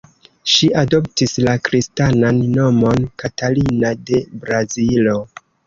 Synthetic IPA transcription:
ʃiʔado̞ptislakɾistananːo̞mo̞nkatalinade̞bɾazilo̞

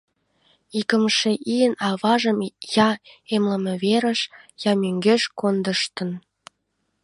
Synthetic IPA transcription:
ikəmʃeʔijənɑβɑʒəmjɑemlə̆mĕβeɾəʃjɑmyŋɡeʃkond̪əʃt̪ən

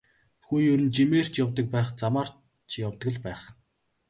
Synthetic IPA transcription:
xujɵɾɘ̆nt͡ɕimeːr̥t͡ɕjawt̪ə̆k̚pæːχt͡samaːr̥ | t͡ɕʰjawt̪ə̆ɡə̆ɮpæːχ

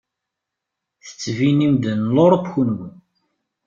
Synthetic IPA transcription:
θə̥t͡sːvinimd̪ənloɾˤpçunwən

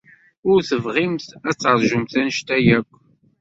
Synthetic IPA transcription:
ʊɾθəvʁimθæt͡sːɾˤʒʊmθænʃt̪æjækʷː

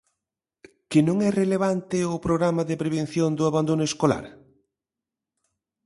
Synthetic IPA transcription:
kɪnõŋɛreleβ̞ant̪ɪʊpɾoɣɾamɐðepɾeβẽn̟θjond̪ʊaβand̪onʊeskola̰ɾ

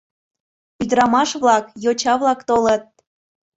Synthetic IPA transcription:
yd̪əɾɑmɑʃβlɑkjot͡ɕɑβlɑkt̪olət̪̚

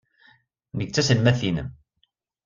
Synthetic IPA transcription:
nəɡ̚t͡sːæsəlmæθinə̰m

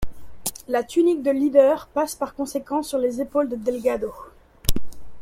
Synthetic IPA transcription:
lat̪ynik̚d̪əlid̪œʁpaspaʁkɔ̃sekɑ̃syʁlezepold̪əd̪ɛlɡad̪o

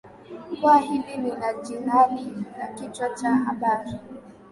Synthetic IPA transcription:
kʷaɦɪdininad͡ʒinalinakɪt͡ʃɔt͡ʃaɦabaɾi

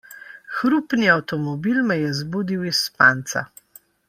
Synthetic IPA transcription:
xɾupniawt̪ɔmɔbilmɛjɛzbuːd̪iwispaːnt̪sa̰

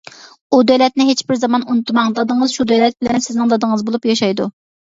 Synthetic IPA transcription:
ud̪ølɛt̪̚nɪɦet͡ʃbɪɾzɑmɑnunɨt̪ʰmɑŋd̪ɑd̪ɨŋəzʃud̪ølɛt̪̚bɪlɛnsɪznɪŋd̪ɑd̪ɨŋəzbolˠupjɑʃɑjd̪ṵ

